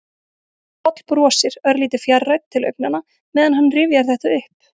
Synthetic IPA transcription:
ɔt̪l̥pɾɔːsɪɾœɾliːt̪ɪɾ̥fjarːaɥt̪̚t̪ʰːɪlœ̰ɥp̚nanːa | mɛːðanɦanːrɪːvjaɾ̥θɛht̪aʏhp̚

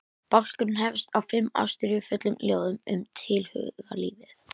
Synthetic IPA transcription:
pakskʏɾnɦɛvst̪awfɪmːa̰wst̪ʏɾjʏfʏt̪lʏmljoːwðʏmʏmt̪ʰɪlhʏ̰ɣa̰liːvɪθ

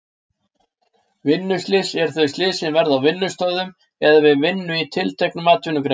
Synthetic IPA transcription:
vɪnːʏst̪ɪsɛɾ̥θœjst̪lɪːsɪnvɛɾðawvɪnːʏst̪œðʏm | ɛðavɪðvɪnːʏit̪ʰɪlt̪ʰɛjknʏmaːt̪ʏnʏkɾe

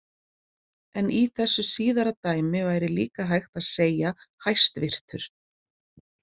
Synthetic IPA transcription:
ɛniθɛsːʏsiːðaɾat̪aːjmɪvaːjɾɪlḭːkaɦajxt̪aðseːjahajst̪vɪr̥t̪ʏɾ̥

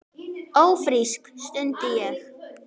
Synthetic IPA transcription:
owfriskstøntiəx

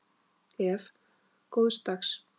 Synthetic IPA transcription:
ɛf | kowðst̪aks

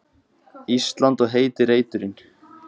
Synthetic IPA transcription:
ist̪lant̪ɔɣɦeːjt̪ɪreːjt̪ʏɾɪn

